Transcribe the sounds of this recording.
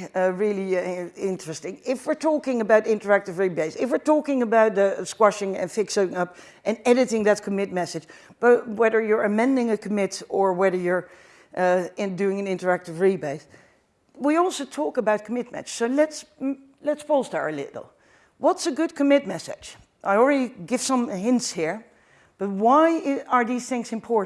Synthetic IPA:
ɹɪlˠiɪ̃ntɹ̥ɨstɪ̃ŋɪfwɪɹtʰɔkɪ̃ŋəbaʊɾɪ̃ntə˞æk̚tɨvɹibeɪsɪfwɨɹtɔkɪ̃ŋəbaʊt̚ðəskwaʃɪ̃ŋɨ̰̃nfɪksəɪ̃ŋʌp | ʔɨ̃nɛɾɨɾɪ̃ŋðɨt̚kʰəmɪt̚mɛsɨ̥d͡ʒ | b̥ʌtwɛðə˞jə˞ɨmɛ̃ndɪ̃ŋɨkʰəmɪtə˞wɛðə˞jə˞ | ɪ̃dʉɪ̃ŋɨ̃nɪ̃ntə˞æk̚tɨvɹibeɪs | wiɔlˠsoʊtʰɔkəbaʊt̚kʰəmɪt̚mɨ̰t͡ʃsoʊlɛts | lɨtspʰostə̰ɹɨlɪ̰ɾl̩ˠ | wʌtsɨɡʊd̚kʰɨmɪt̚mɛsɪ̰d̥d͡ʒ | ʔaɪl̩ˠɹɛɾiɡɪv̥sʌ̃mɦɪ̃ntshiɹ | b̥ʌt̚waɪə˞ðiz̥θɪ̃ŋzɨ̃mpʰɔɹʔ

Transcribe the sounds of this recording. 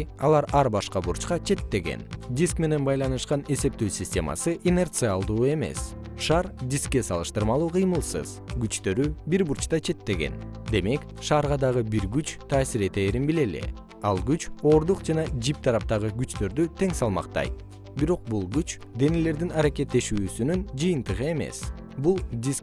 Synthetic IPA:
ɑ̰lˠɑɾɑɾbɑʃqɑbuɾt͡ʃqɑt͡ʃʰe̞t̪ːe̞ɡe̞̰nd̪ʲiskme̞ne̞nbɑjlˠɑnɯʃqɑne̞se̞p̚t̪øːsʲisʲtʲe̞̰mɑ̰sɯʔime̞rt̪sɨalˠd̪uːe̞me̞̰s | ʃɑɾd̪ʲiskːe̞sɑlˠɯʃt̪ɯɾmɑlˠuːqʰɯjmɯlˠsɯ̰zɡyt͡ʃt̪ø̞ɾybiɾbuɾt͡ʃt̪ɑt͡ʃʰe̞t̪ːe̞ɡe̞̰nd̪e̞me̞k | ʃɑːɾʁɑd̪ɑʁɯbiɾɡyt͡ʃt̪ʰɑːsiɾe̞t̪e̞ːɾinbile̞lḛ | ɑlˠɡyt͡ʃo̞ːɾd̪uqd͡ʒɑnɑd͡ʒip̚t̪ʰɑɾɑp̚t̪ɑʁɯɡyt͡ʃt̪ø̞ɾd̪yt̪ʰe̞ŋsɑlˠmɑ̰qt̪ɑ̰jt̪ | biɾo̞q̚bulˠɡyt͡ʃ | d̪e̞nele̞ɾd̪inɑɾake̞t̪ːe̞ʃyːsynynd͡ʒɯjɯnt̪ɯʁɯe̞me̞̰s | bulˠd̪ʲisk

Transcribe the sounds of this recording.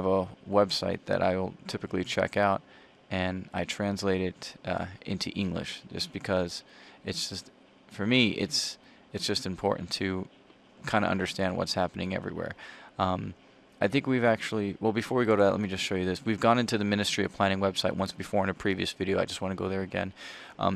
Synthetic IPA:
əvəwɛbsaɪt̪̚ðɨ̰ɾʔa̰ɪwɪ̰lˠtʰɪpɨklit͡ʃʰɛ̰kaʊɾ̚ | ʔɨ̃naɪtʰɹ̥æ̃nsleɪɾɪɾɪ̰̃ntʰʉ̰ʔɪ̃ŋɡlɨ̰ʃd̥ʒ̥ʌ̰sb̥ɨkʰʌz̥ɨtsd̥ʒ̥ʌst | fə˞miʔɪ̰ts | ɨtsd̥ʒ̥ʌstɨ̃mpʰɔ̰ɹʔn̩tʰɨ | kʰãɪ̃ndə̰ʌ̰̃ndə˞stæ̃nd̚wʌ̰tshæpənɪ̰̃ŋɛ̰vɹḭwɛ̰ɹʌ̃m | aɪθɪ̃ŋkwivæk̚t͡ʃul̩ˠiwɛlˠbɨfɔɹwiɡoʊɾəðɨt̚ʔlɛ̰t̚mid͡ʒʌstʃoʊjɨðɪswivɡɔ̃ñɪ̃ntʉðɨmɪ̃ñɨstɹ̥iɨ̰ʌv̥pʰl̥æ̃ɾ̃ɪ̃ŋwɛb̥saɪʔ̚wʔʌ̃nsb̥ɨfɔɹə̃nɨpʰɹ̥iviɨsv̥ɪɾioʊaɪd͡ʒʌst̚wɑ̃ñɨɡoʊðə˞ɨɡɛ̰̃n | ʔʌ̰̃m

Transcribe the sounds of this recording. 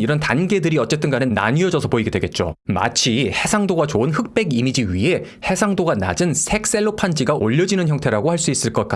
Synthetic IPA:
iɾʌntanɡe̞dɯɾiʌt͡ɕ͈e̞t͈ɯnɡanɯnːa̰ɲiʌd͡ʑʌsʰʌpoiɡedwe̞ɡe̞t̚t͡ɕ͈o̰ma̰t͡ɕʰie̞sʰaŋdoɡat͡ɕoɯnhɯk̚p͈e̞ɡimid͡ʑiɥiɦe̞ | he̞sʰaŋdoɡana̰d͡ʑɯnsʰe̞k̚s͈e̞ɭːopʰand͡ʑiɡaʔoʎːʌd͡ʑinɯnçjʌŋtʰe̞ɾaɡohaɭs͈uis͈ɯɭk͈ʌk͈a

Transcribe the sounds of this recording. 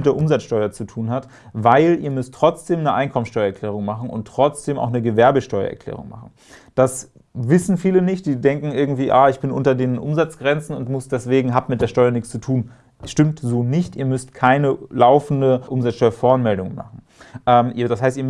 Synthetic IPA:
mtd̥eːɐʔʊmzat͡sʃtɔʏɐt͡sutʰuːnɦat | vaɪlʔiːɐmʏstːʁ̥ɔt͡sd̥eːmnəʔaɪnkʰɔmənsʃtɔʏɐɛɐklɛːʁ̞ʊŋmaχn̩ʊ̰ntːʁ̥ɔt͡sd̥eːmʔa̰ʊxnəɡəvɛɐbəʃtɔʏɐ̰ʔɛ̰ɐklɛ̰ːʁ̞ʊ̰ŋma̰χn̩ | d̥as | vɪsn̩fiːlənɪçt̚d̥iːdɛŋkŋ̩ɪɐɡŋ̩tv̥iːʔa̰ːɪçb̥ɪnʔʊ̰ntɐdeːnʔʊ̰mzat͡sɡ̥ʁɛnt͡sn̩ʊntmʊsd̥ɛsv̥eːɡŋ̩ɦaːbmɪt̚d̥eːɐʃtɔʏɐnɪçkt͡st͡sutʰuːn | ʃtɪmtzoːnɪçtʔiːɐmʏstkʰaɪnəlaʊfn̩dəʔʊmzat͡ssʃtɔʏɐfɔɐnmɛldʊŋənma̰χn̩ | ʔɛːmʔiːɐdashaɪstiːɐm

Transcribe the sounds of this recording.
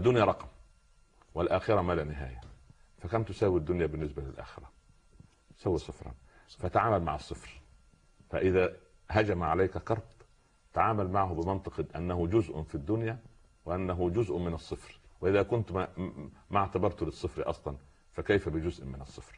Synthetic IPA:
ʔæd̪ːʊnjaɾˤɑqm | wɪlʔæːxɪɾæmælænɪɦa̰ːjæ | fækæmt̪ʊsæːwid̪ːʊnjæːbɪnːɪsbælɪlʔæ̰ːxɪɾæ | sæːwisˤɨfɾˤɑ̰n | fæt̪aʕaːmælma̰ʕɑsˤːɨfɾ | fæ̰ʔɪðæː | ɦæd͡ʒæmʕalajkækɑɾˤb̪ | t̪aʕaːmælmaʕɦʊbɪmɑnt̪ˤɨqʔæ̰nːæɦʊd͡ʒʊzʔʊ̰fid̪ːʊnjæː | wɪʔænːæɦʊd͡ʒʊzʔmɪnɑsˤːɨfɾwɪʔɪðæːkʊnt̪ | maʕt̪abɑɾˤt̪lɪsˤːɨfɾiʔɑ̰sˤlɑn | fækæjfæbɪd͡ʒʊzʔmɪnɑsˤːɨfɾ

